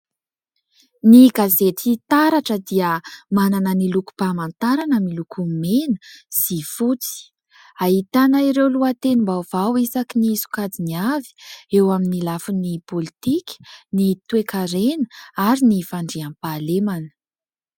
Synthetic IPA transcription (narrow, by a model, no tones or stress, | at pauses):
niɡazetit̪aɾaʈ͡ʂəd̪iəmananəniluku̥b̥amant̪aɾanəmilukʰumenə̥z̥ifut͡si̥ | aɦit̪anaiɾewluat̪enimbauv̥awisakiniiisu̥kad͡ziniavi̥ewaminilafunipolit̪ikʲə̥nit̪uekaɾenə̥aɾinifaɳɖ͡ʐiampalemanə̥